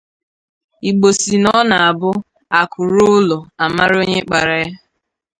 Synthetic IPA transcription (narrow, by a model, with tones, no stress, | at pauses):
i˨ɡ͡bo˨si˨nɔ˦na˨a˨bʊ˦ | a˨kʰʊ˨ɾʊ˦lʊ˨a˨ma˦ɾo˦ɲe˦k͡pa˨ɾa˨ja˦